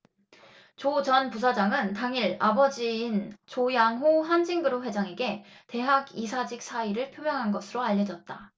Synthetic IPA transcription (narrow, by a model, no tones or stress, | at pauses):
t͡ɕot͡ɕʌnpusʰad͡ʑaŋɯntaŋiɾabʌd͡ʑiːnt͡ɕojaŋɦoɦand͡ʑiŋɡɯɾoɸwe̞d͡ʑaŋe̞ɡe̞te̞ɦaɡisʰad͡ʑik̚s͈ʰaiɾɯɭpʰjomjʌŋɦanɡʌsʰɯɾoaʎːʌd͡ʑʌt̚t͈a